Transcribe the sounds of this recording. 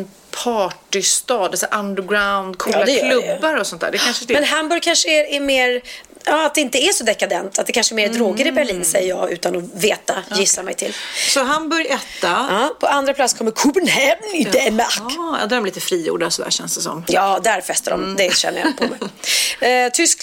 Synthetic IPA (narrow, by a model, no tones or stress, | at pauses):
pʰɑːʈɪst̪ɑːd̪ɛsæʔand̪əɡɾaʊnd̪kʰuld̪ɛjlɵbːaɾɔsɔnt̪ʰæ̰ɖɛkʰanʂəmɛnɦambɵɾjkʰanʂəæɾæmeːɾ | jɑːat̪̚d̪ɛɪnt̪əæʂɔd̪ɛkːad̪ɛnt̪ːat̪̚d̪ɛkʰanʂəɛɾmeːɾd̪ɾoːɡəɾɪbæɭiːnsɛjːəjɑːɡʉ̟ːt̪anɔveːt̪ajɪsːamɛ̰jt̪ʰɪlːsɔɦambɵɾjɛːt̪ːaɑːpʰɔand̪ɾaplat̪skʰɔmːəɾkʰubənhɛmnd̪ɛmkːja̰d̪œmɛliːt̪əfɾiːjṵːɖasɔd̪æ̰ːɕɛnsd̪ɛsɔ̰mjɑːd̪æɾfɛst̪adɔ̰md̪ɛɕɛ̰nəjapʰɔmɛj | t̪ʰʏsk